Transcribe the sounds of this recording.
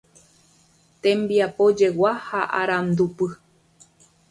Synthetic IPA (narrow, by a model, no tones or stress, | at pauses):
t̪ẽ̞mbiapod͡ʒe̞wahaʔaɾãnd̪upɨ